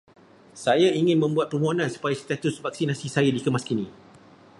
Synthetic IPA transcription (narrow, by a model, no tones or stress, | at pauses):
sajaiŋɪ̃nmə̃mbuat̪̚pərmɔɦonãnsu̥pajast̪at̪ʊsvak̚sinasisajadikəmaskinĩ